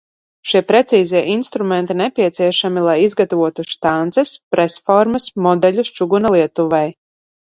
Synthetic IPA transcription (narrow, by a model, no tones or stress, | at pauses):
ʃiɛpɾɛt̪siːziɛʔinst̪ɾumɛnt̪inɛpʲiɛt̪siɛʃamilˠajizɡat̪avuɔt̪uʃt̪ant̪sɛspɾɛsfɔɾmɐsmɔd̪ɛʎʲust͡ʃuɡunalˠiɛt̪uvɛj